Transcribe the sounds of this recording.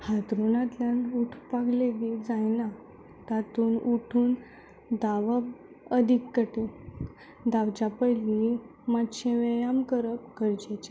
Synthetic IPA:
hat̪ɾunat̪ljanuʈʰpaɡledid͡zajna | t̪at̪uːnuʈʰuːn | d̪aʋəb | əd̪ʱikːəʈi | d̪aʋt͡ɕapəjlimatɕẽʋejamkəɾəpkəɾd͡ʑet͡ɕa

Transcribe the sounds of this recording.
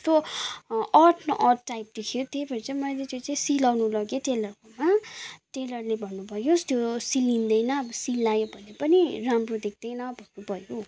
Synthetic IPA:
t̪o | ʌʈʰnʌʔʌʈːajp̚d̪ekʰijot̪ejbʱʌɾit͡saĩmʌjlet̪jot͡saĩsilawnulʌɡeʈelʌrkomaʈelʌrlebʱʌnːubʱʌjost̪josilind̪ʌjnʌbʌsilːajobʱʌnepʌniramrod̪ek̚ʰd̪ʌjnʌbʱʌrnubʱʌjo

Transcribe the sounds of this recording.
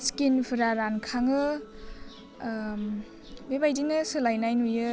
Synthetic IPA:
skinpʰɯɾaɾankʰaŋɯ | bebajdinɯsɯlajnajnujɯ

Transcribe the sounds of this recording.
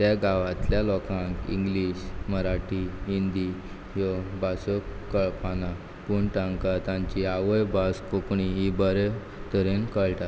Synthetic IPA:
t̪jaɡaʋat̪ljalɔkãŋkḭ̃ŋɡliɕməɾaʈiɦind̪i | jɔbasəkːəɭpana | puɳʈãŋkat̪ãɲt͡ɕiaʋəjbaskokɳiɦibəɾe | t̪əɾenkəɭʈat̪

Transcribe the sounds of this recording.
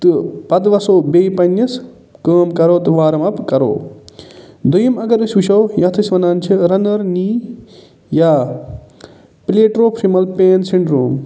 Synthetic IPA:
t̪ɨpɐd̪ʋɐsoːbeːjpɐnjɐs | kəːmkɐɾoːt̪ɨʋaːɾɐmɐpkɐɾo̰ː | d̪ujimɐɡɐɾɨsʋuʃoːjɐt̪ʰɨsʋɐnaːnt͡ʃʰiɾɐnɐɾniː | jaː | pleːʈɾoːpʰɾimɐlpeːnsiɳɖɾuːm

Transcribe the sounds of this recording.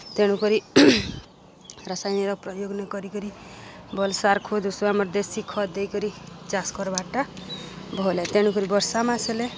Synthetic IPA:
t̪eɽ̃ukɔɾi | ɾasajniɾɔk̚pɾɔjoɡnɔkɔɾikɔɾibɔlsaɾkʰod̪usuamɔɾd̪esikʰɔd̪ejkɔɾit͡ʃaskɔɾbaʈabʱɔlat̪eɽ̃ukɔɾibɔɾsamasele

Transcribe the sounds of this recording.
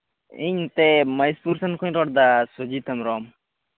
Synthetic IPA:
iɲt̪eməjspuɾsankuɲɾɔɽd̪asud͡ʒit̪amɾɔm

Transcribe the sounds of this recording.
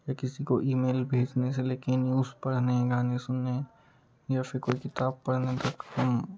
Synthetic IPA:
jaːkɪsikoʔiːmeːlbʱeːd͡ʒneseleːkenjuːzpɐɽnẽɡaːnesʊnːe | jaːfʰɪɾkoːikɪt̪aːb̚pɐɽnet̪ɐkhɐm

